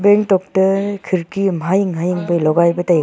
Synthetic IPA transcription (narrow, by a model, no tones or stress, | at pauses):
beŋtɔk̚tɐkʰɯɾkimajɯŋɦajiŋbɐlɔɡajbɐtaj